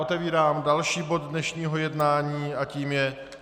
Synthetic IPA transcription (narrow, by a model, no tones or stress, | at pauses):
ot̪ɛviːɾaːmdalʃiːbo̞d̪dnɛʃɲiːɦo̞jɛdnaːɲiːʔaciːmjɛ